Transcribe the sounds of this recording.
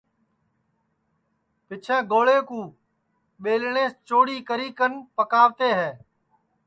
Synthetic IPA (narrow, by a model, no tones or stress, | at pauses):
pɪt͡ʃʰãːɡoːɭeːkũː | ɓeːlɳeːst͡ʃoːɽiːkəɾiːkənpəkaːʋt̪eːɦɛː